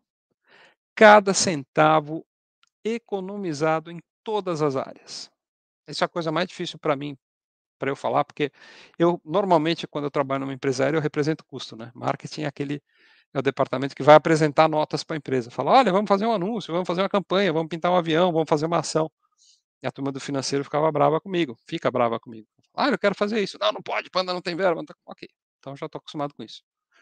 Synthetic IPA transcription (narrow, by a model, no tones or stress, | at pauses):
kad̪ɐsẽnt̪avʊ | ekonõmizad̪ʊẽj̃t̪od̪ɐzɐza̰ɾɪɐs | ɛsʊɛɐkojzɐɛmajzd͡ʒifisiwpɾɐmĩ | pɾɐewfalaɾpoɾkeewnoɾmawmẽnt͡ʃɪkwɐ̃d̪ʊewt̪ɾabaʎʊnũmɐẽmpɾezɐɛɾɐewɦepɾezẽnt̪ʊ̥kust̪ʊnɛma̰ɾket͡ʃĩakelɪ | ɛʊd̪epaɾt̪amẽnt̪ʊ̥kɪvajapɾezẽnt̪anɔt̪ɐspɾɐẽmpɾezɐfalɐɔʎɐvɐ̃mʊfazeɾũanũsjʊvɐmʊfazeɾũmɐkɐ̃mpɐ̃ɲɐvɐ̃mʊp̬ĩnt̪aɾũaviɐ̃w̃vɐ̃mʊfazeɾumɐːsɐ̃w̃ | iɐt̪uɾmɐd̪ʊfinɐ̃sejɾʊfi̥kavɐbɾavɐkõmiɡʊfikɐbɾavɐkõmiɡʊ̃falaewkɛɾʊfazeɾisʊnɐ̃w̃nɐ̃w̃pɔd͡ʒɪpɐ̃nd̪ɐnɐ̃w̃t̪ẽj̃vɛɾbɐ̃t̪ãkokejẽt̪ɐ̃w̃eʒat̪oaku̥st̪umad̪ʊkõisʊ̥